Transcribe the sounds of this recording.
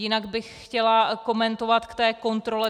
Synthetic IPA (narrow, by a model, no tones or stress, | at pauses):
jɪnaɡbɪxxcɛlako̞mɛnt̪o̞vat̪kt̪ɛːko̞nt̪ɾo̞lɛ